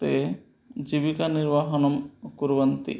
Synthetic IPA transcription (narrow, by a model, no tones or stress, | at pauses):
t̪e | d͡ʒibikaniɾbaɦɔnɔmkuɾbant̪ḭ